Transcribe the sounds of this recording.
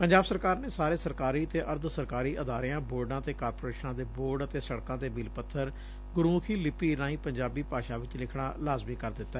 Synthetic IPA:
pəɲd͡ʒaːbsəɾkaːɾneːsaːɾeːsəɾkaːɾiːət̪eːʔəɾd̪səɾkaːɾiːʔəd̪aːɾɪjãːboːɾɖãːt̪eːkaːɾpoːɾeːʃnãːd̪eːboːɾɖət̪eːsəɽkãːd̪eːbiːlpət̪ʰːəɾ | ɡʊɾuːkʰiːlɪpiːɾãːĩːpəɲd͡ʒaːbiːpaːʃaːʋɪt͡ʃlɪkʰɽaːlaːzmĩːkəɾd̪ɪt̪ːaɛ

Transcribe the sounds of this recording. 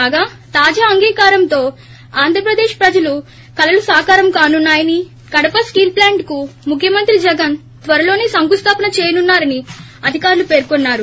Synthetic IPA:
aːɡaː | t̪aːd͡ʒaːɐŋɡiːkaːɾɐmt̪o̞ː | aːnd̪ʱɾɐpɾɐd̪e̞ːʃpɾɐd͡ʒɐlu | kɐlɐlusaːkaːɾɐmkaːnunːaːjɐni | kɐɽɐpɐskiːlplaːɳʈkumukʰjɐmɐnt̪ɾid͡ʒɛɡɐn | t̪ʋɐɾɐlo̞ːneːsɐŋkust̪ʰaːpɐnɐt͡ʃeːjɐnunːaːɾɐni | ɐd̪ʱikaːɾlupe̞ːɾkɔnːaːɾu

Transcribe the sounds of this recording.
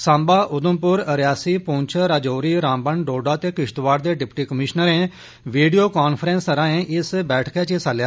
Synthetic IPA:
sãːmbaːʔʊd̪ʊmpʊɾəɾjaːsiːpõːt͡ʃʰəɾaːd͡ʒoːɾiːɾãːmbəɳɖoːɖaːt̪eːkɪʃt̪ʋaːɽd̪eːɖɪpʈiːkəmɪʃnəɾẽː | ʋiːɖijoːkaːnpʰəɾɛ̃ːnsəɾãːẽːʔɪsbɛːʈʰkeːt͡ʃesaljaː

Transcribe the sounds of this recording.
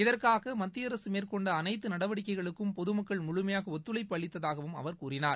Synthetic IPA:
ɪðɐrkaːɣɐmɐt̪ːɪjɐɾɐsɯmeːrkɔɳɖɐːnɐɪt̪ːɯnɐɽɐʋɐɽɪkːɐɪɣɐɭɯkːɯmpɔðɯmɐkːɐɭmʊɻʊmɐjaːɣɐɔt̪ːɯlɐɪpːɐɭɪt̪ːɐðaːɣɐʋɯmɐ̰ʋɐɾkuːɾɪnaːɾ

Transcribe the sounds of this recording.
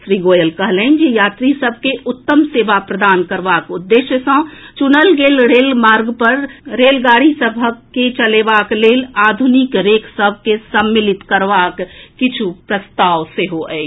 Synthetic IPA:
sɾiɡojəlkəɦlənd͡ʒejaːt̪ɾisəb̚ʱkeʔut̪ːəmsebapɾəd̪ankəɾbakud̪ːeʃjəsə̃t͡ʃunəlɡelɾelmaɾɡpəɾɾelɡaɾisəbʱəkːet͡ʃəlebaklelad̪ʱunikɾekʰsəbʱkesəmːilit̪kəɾʋakːit͡ʃʰupɾəst̪aʋseɦoɛ̰

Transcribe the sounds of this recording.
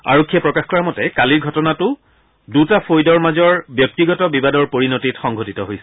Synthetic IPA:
a̰ɹokʰːijɛpɹɔkaxkɔɹamɔtɛkaliɹɡʱɔtɔnatʊ | dutapojdɔɹmazɔɹbjɔk̚tiɡɔtɔbibadɔɹpoɹinotitxɔŋɡʱotitɔɦojsɛ̥

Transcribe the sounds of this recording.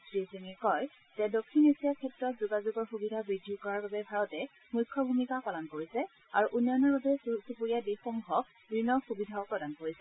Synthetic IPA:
tɹiziŋɛkɔj | z̥ɛdokʰːinetijakʰɛtɹɔtzuɡazuɡɔɹxubidʱabɹidʱukɔɹaɹbabɛbʱaɹɔtɛ | muʊjkʰːɔbʱumikakɔlankoɹisɛ | a̰ɹuʔunjɔnɔɹbabɛssupuɹijadexɔŋɡʱɔk̚ | bɹinɔxubidʱaɔpɹɔdankoɹisɛ

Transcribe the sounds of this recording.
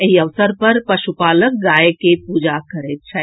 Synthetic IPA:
eɦiɐʋsəɾpɐɾpɐʃupaːlək̚ɡaːjekepuːd͡ʒakəɾet͡ʃʰa

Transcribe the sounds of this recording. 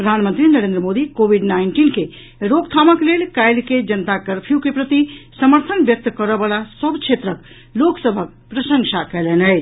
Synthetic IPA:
pɾəd̪ʱanmənt̪ɾinəɾẽnd̪ɾəmod̪ikobʱiɖnaɪɳʈinke | ɾoɡt̪ʰaməklelkajlked͡ʒənt̪akəɾpʰjukepɾət̪isəməɾt̪ʰənbjək̚t̪kəɾəbalasəbt͡ʃʰet̪ɾək | loksəbʱək̚ | pɾəsəŋsʰakɛlenəj

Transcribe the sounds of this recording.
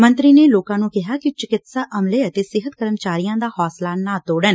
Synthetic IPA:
mə̃nt̪ɾiːneːloːkãːnũːkɪɦaːkɪt͡ʃɪkɪt̪saːʔəmleːət̪eːsɪɦət̪kəɾəmt͡ʃaːɾijãːd̪aːhɔːslaːnaːt̪oːɽən

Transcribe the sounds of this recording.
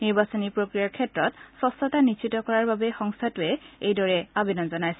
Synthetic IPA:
niɹbasɔnipɹokɹijaɹkʰɛtɹɔtsɔstɔtanit͡ʃʰitɔkɔɹaɹbabɛxɔŋstʰatʊɛejdɔɹɛabinɔnzɔnajsɛ

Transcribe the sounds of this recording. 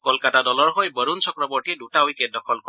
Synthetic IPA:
kɔlkatadɔlɔɹɦojbəɾunsɔkɾɔbɔɹʈieduʈawikedɔkʰɔlkɔ

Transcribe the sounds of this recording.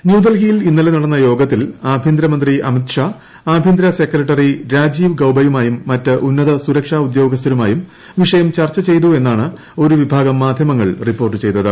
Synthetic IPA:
njuːd̪ɐlɡijilinːɐlenɐɽɐnːɐjo̞ːɡɐt̪ːilaːbʱind̪ɾɐmɐnd̪riʔɐmit̪ʂaː | aːbʱind̪ɾɐse̞kɾɐʈːɐriɾaːd͡ʑiːʋɡɐwbɐjumaːjumːɐtːɨʔunːɐðɐsuɾɐkʂaːud̪jo̞ːɡɐs̬t̪ʰɐɾumaːjum | ʋiʂɐjɐmt͡ɕɐrt͡ɕːɐt͡ɕe̞jt̪ue̞nːaːɳɨ | o̞ɾuʋibʱaːɡɐmːaːd̪ʱjɐmɐŋːɐɭripːo̞ːrʈ̬ːɨt͡ɕe̞jt̪ːɐðɨ

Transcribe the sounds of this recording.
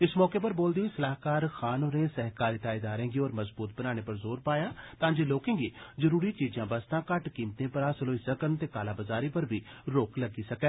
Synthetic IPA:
ɪsmɔːkeːpəɾboːld̪iːiːsəlaːɦkaːɾxʰaːnoːɾẽːsɛɦkaːɾiːt̪aːid̪aːɾẽːŋɡiːɔːɾməzbuːt̪̚bənaːɽ̃eːpəɾzoːɾpaːjaːt̪ãːd͡ʒeːloːkẽːŋɡiːzəɾuːɾiːt͡ʃiːd͡ʒãːbəst̪ãːkəʈkiːmt̪ẽːpəɾaːsəloːisəkəɾnt̪eːkaːlaːbəzaːɾiːpəɾbʱiːɾoːkləɡiːsəkɛː

